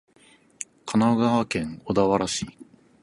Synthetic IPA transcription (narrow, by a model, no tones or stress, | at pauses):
kʰanaɡaβakẽ̞ŋod̪aβaɾaɕiː